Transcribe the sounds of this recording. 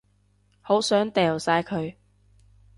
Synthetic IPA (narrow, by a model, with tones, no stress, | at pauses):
ho˨˥wsœː˨˥ŋt̪ɛː˨wsaː˧jkʰɵ˨˧ɥ